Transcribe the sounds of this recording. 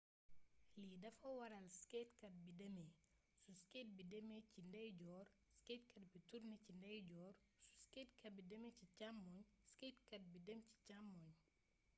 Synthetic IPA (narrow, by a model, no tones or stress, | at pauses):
lidɐfɐwɐɾɐlskɛːtkɐt̚bidɐme | suskeːt̚bidɐmecindɐjɟɔːr | sketkɐt̚bituɾnɛcindɐjɟɔːr | su̥sketkɐbidɐmecicamːɔɲsketkɐt̚bidɐmci̥camːɔɲ